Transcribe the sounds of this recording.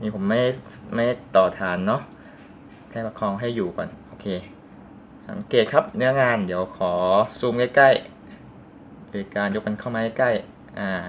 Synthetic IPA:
niː˧˩pʰo˩˦mːa˥˩jma˥˩jt̪ɔː˨˩t̪ʰaː˨˦nːɔ˦˥ | kʰaː˥˩pa˧˩kʰɔː˧ŋɦa˥˩jːuː˨˩kɔ̰ː˨˩nʔoː˧kʰeː˧ | sa̰˨˩˦ŋkeː˨˩t̪̚kʰa˦˥p̚nɯ˦˥ɐŋaː˧ndi˨˦əwkʰɔː˩˦suː˧mka˥˩jka˥˩j | doː˧jkaː˧njo˦˥k̚ka˧nkʰa˥˩wmaː˧ha˥˩jka˥˩j | ʔaː˧˩

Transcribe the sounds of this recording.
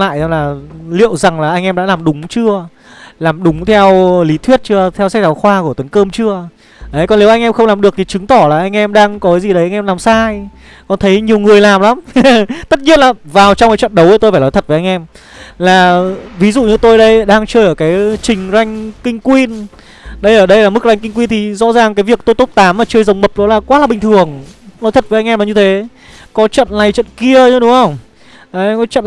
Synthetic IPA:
la̰ː˧˨jlaː˨˩lḭ˧˨əwza˨˩ŋlaː˨˩ʔa˧jŋʔɛ˧mɗa̰ː˧˥laː˨˩mɗʊ˨˦ŋ͡mt͡ɕɨ˧ə | laː˨˩mɗʊ˨˦ŋ͡mt̪ʰɛ˧wli˨˦t̪ʰwi˦˥ət̚t͡ɕɨ˧ət̪ʰɛ˧wsa˦˥t̚zaː˨˦wxwaː˧ku˧˩ət̪ə˨˦nkəː˧mt͡ɕɨ˧ə | ʔɗə˨˦jkɔ˨˩nle˨˦wʔa˧jŋʔɛ˧mxə˧ŋ͡mlaː˨˩mɗɨ˨˩ək̚t̪ʰi˨˩t͡ɕɨ˨˦ŋt̪ɔ˧˩laː˨˩ʔa˧jŋ̟ʔɛ˧mɗaː˧ŋkɔ˨˦kaː˨˦zi˨˩ɗə˨˦ʔa˧jŋ̟ʔɛ˧mlaː˨˩msaː˧j | kɔ˨˩nt̪ʰə˨˦jɲi˨˩əwŋɨ˨˩əjlaː˨˩mla˨˦mt̪ə˦˥t̚ɲi˧˥ənlaː˨˩vaː˨˩wt͡ɕɔ˧ŋ͡mkaː˨˦jt͡ɕwə̰˧˨nɗə˨˦wʔəː˧˩jt̪o˧jfaː˧˩lɔ˨˦t̪ʰə˨˩t̚və˨˦ʔa˧jŋʔɛ˧m | laː˨˩vi˨˦zṵ˧˨ɲɨ˧t̪o˧jɗə˧jɗaː˧ŋt͡ɕəː˧jʔəː˧˩kaː˨˦jt͡ɕï˨˩ŋ̟za˧jŋ̟kï˧ŋ̟kwi˧n | ɗə˧jʔəː˧˩ɗə˧jlaː˨˩mɨ˦˥k̚za˧jŋkï˧ŋ̟kwi˧nt̪ʰi˨˩zɔ̰˧˥zaː˨˩ŋkaː˨˦jvi˨˩ək̚t̪o˧jt̪o˦˥p̚t̪aː˨˦mːaː˨˩t͡ɕəː˧jzə˨˩wŋ͡mmə˨˩p̚ɗɔ˨˦laː˨˩kwaː˨˦laː˨˩ɓï˨˩ŋ̟t̪ʰɨ˨˩əŋlɔ˨˦jt̪ʰə˨˩t̚vəː˨˦ʔa˧ŋʔɛ˧mlaː˨˩ɲɨ˧t̪ʰe˨˦ | kɔ˨˦t͡ɕə̰˧˨nna˨˩jt͡ɕə̰˧˨nki˧əɲə˨˦ɗʊ˨˦ŋ͡mhə˧wŋ͡m | ʔaː˧˩ʔɛ˧mkɔ˨˦t͡ɕə̰˧˨n

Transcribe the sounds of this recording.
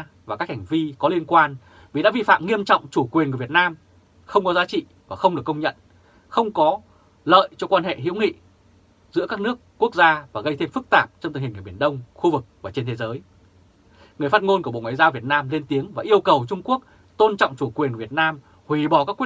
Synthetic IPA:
vaː˨˩kaː˦˥k̚ha˨˩ŋ̟vi˧kɔ˨˦li˧ənkwaː˧n | vi˨˩ɗa̰ː˧˥vi˧fa̰ː˧˨mŋi˧əmt͡ɕɔ̰˧˨wŋ͡mt͡ɕu˧˩kwi˨˩ənkːvi˨˩ət̚naː˧m | xə˧wŋ͡mkɔ˨˦zaː˨˦t͡ɕḭ˧˨ | vaː˨˩xə˧wŋ͡mɗɨ˨˩əkːə˧wŋ͡mɲə̰˧˨n | xə˧wŋ͡mkɔ˨˦ | lə̰ː˧˨jt͡ɕɔ˧kwaː˧nhḛ˧˨ɦḭ˧˥wŋḭ˧˨ | zɨ̰˧˥əkaː˦˥k̚nɨ˦˥əkːu˦˥ək̚zaː˧vaː˨˩ɣə˧jt̪ʰe˧mfɨ˦˥k̚t̪aː˨˩p̚t͡ɕɔ˧ŋ͡mt̪ï̟˨˩hi˨˩ŋ̟kːɓi˧˩nɗə˧wŋ͡mxu˧vɨ˨˩k̚vaː˨˩t͡ɕe˧nt̪ʰe˨˦zəː˨˦j | ŋɨ˨˩əjfa˦˥t̚ŋo˧nko̰˧˨ŋwaː˨jzaː˧wvi˨˩ət̚naː˧mle˧nt̪i˨˦əŋvaː˨˩ʔi˧əwkə˨˩wt͡ɕʊ˧ŋ͡mku˦˥ək̚ | t̪o˧nt͡ɕɔ̰˧˨ŋ͡mt͡ɕu˧˩kwi˨˩nkːi˨˩t̚naː˧m | hwi˧˨˩ɓɔ˨˩kaː˦˥kwi˦˥

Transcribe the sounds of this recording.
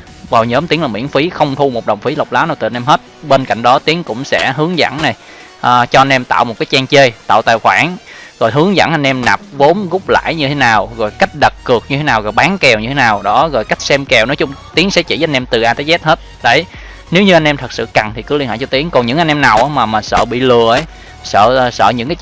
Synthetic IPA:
vaː˨˩wɲəː˨˦mt̪i˨˦əŋlaː˨˩mwḭ˧˥ənfi˨˦xə˧wŋ͡mt̪ʰu˧mo˨˩t̚ɗə˨˩wŋ͡mfi˨˦lə˨˩wk͡p̚laː˨˦wnaː˨˩t̪ɨ˨˩ʔnʔɛ˧mɦe˦˥t̚ɓeː˧nka̰˧˨jŋ̟ɗɔ˨˦t̪i˨˦əŋkʊ̰˧˥ŋ͡msɛ̰˧˥ɦɨ˨˦əŋzə̰˧˥nna˨˩j | ʔəː˨˩t͡ɕɔ˧ʔa˧jnʔɛ˧mt̪a̰ː˧˨wmo˨˩t̚kaː˨˦jt͡ɕɛː˧ŋt͡ɕe˧jt̪a̰ː˧˨wt̪a̰ː˨jxwaː˧˩nɣɔ˨˩jɦɨ˨˦əŋzə̰˧˥nʔa˧jn̟ʔɛ˧mna˨˩p̚vo˨˦mɣʊ˦˥k͡p̚la̰ː˧˨jɲɨ˧t̪ʰe˨˦naː˨˩wɣɔ˨˩jka˦˥jk̟̚ɗə˨˩kkɨ˨˩ək̚ɲɨ˧t̪ʰe˨˦naː˨˩wɣɔ˨˩jɓaː˨˦ŋkɛ˨˩wɲɨ˧t̪ʰe˨˦naː˨˩wɗɔ˨˦ɣo˨˩jka˦˥jk̚sɛ˧mkɛ˨˩wnɔ˨˦t͡ɕʊ˨˧˦ŋ͡mt̪i˨˦əŋsɛ̰˧˥t͡ɕḭ˧˩˨a˧nɛ˧mt̪ɨ˨˩ʔaː˧t̪aː˨˦jzɛ˦˥t̚he˦˥t̚ɗə˨˦j | ne˨˦wɲɨ˧a˧n̟ʔɛ˧mt̪ʰə˨˩k̚sɨ̰˧˨ka˨˩ŋt̪ʰi˨˩ɨ˨˦li˧nha̰˧˩jt͡ɕɔ˧t̪i˨˦əŋkɔ˨˩nɲɨ̰˧˥ŋʔa˧n̟ʔɛ˧mna˨˩wʔaː˨˦maː˨˩maː˨˩sə̰ː˧˨ɓḭ˧˨lɨ˨˧˨əʔə˨˦j | sə̰ː˧˨sə̰ː˧˨ɲɨ̰˧˥ŋkaː˨˦j

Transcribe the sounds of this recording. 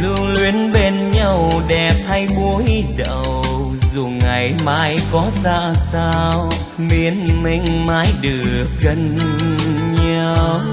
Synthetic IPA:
zɨ˧əŋlwi˨˦ənɓe˧nɲa˧wɗɛ˨˩p̚t̪ʰa˧jɓu˧˦əj | ɗə˨˩w | zu˨˩ŋa˨˩jmaː˨˦jkɔ˨˦saː˧saː˧w | mi˨˦ənmï˧ŋ̟maː˨˦jɗɨ˨˩əək̚ɣə˧˩n | ɲa˧w

